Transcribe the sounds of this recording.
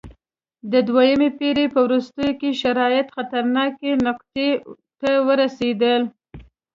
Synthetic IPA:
d̪əd̪wajəmepeɾepəwɾust̪əjokeʃaɾɑjɪt̪xat̪aɾnɑkenʊqt̪e | t̪awəɾased̪əl

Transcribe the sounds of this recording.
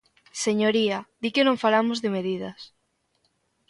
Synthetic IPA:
seɲoɾiad̪ikɪnõŋfalamozðemeðið̞ɐs

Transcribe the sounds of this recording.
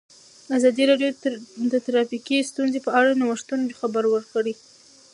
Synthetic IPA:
azɑd̪iɾɑɖjod̪ət̪ɾɑfikist̪unzepəaɽanawəʂt̪unxabəɾwəɾkəɽi

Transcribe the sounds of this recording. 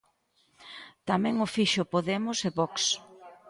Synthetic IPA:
t̪amɛ̃ŋʊfiʃʊpoðɛmʊseβɔks

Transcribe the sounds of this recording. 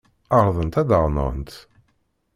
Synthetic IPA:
ɑʁɾˤðˤənt̪æd̪əʁˤnə̰nt̪

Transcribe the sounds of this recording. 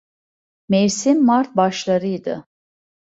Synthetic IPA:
meɾsimːaɾt̪̚baʃlˠaɾɯjd̪ɯ̰

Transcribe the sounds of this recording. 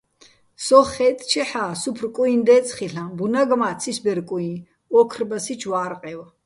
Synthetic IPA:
sɔχɛt̪ʼt͡ʃʰɛħaːsupʰrkʼuind̪ɛːt͡sʼχiɬãbunaɡmaːt̪t͡sʰisbɛɾkʼui | ɔkʰrbasit͡ʃʰwaːɾqʼɛwa

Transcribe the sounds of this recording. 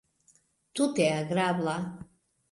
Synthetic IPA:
t̪ʰut̪ʰɛaɡɾabla

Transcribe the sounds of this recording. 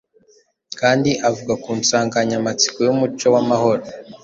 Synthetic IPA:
kaːndiʔavuɡakuːnt͡saːŋɡaɲamat͡si̥kojumut͡ʃo̞wamaho̞ɾo

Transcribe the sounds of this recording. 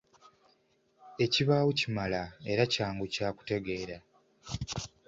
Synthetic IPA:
e̞ciβaːwucimalae̞ɾacaːŋɡucaːku̥te̞ɡe̞ːɾa

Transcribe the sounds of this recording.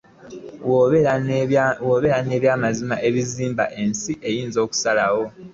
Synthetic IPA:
woːβe̞ɾane̞ːβjaːmazimaʔe̞βiziːmba̰ʔe̞nsiʔe̞jiːnzo̞ːku̥salawo̞

